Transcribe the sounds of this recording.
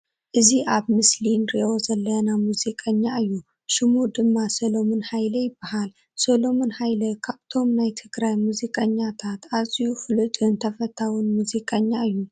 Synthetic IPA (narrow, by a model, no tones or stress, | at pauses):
ʔɨziʔaβmɨslinɾiʔo̞zɐlːɐjnamuzikʼɐɲːaɨjːu | ʃɪmud̪ɨmːasolo̞monhajlɐjɪbːahal | solo̞monhajlɐkʰaβt̪ʰo̞mnajt̪ʰɨɡɾajmuzikʼɐɲːat̪ʰat̪azʼijufɨlɨt̪ʼɨnt̪ʰɐfɐt̪ʰːawinmuzikʼɐɲːaɨjːu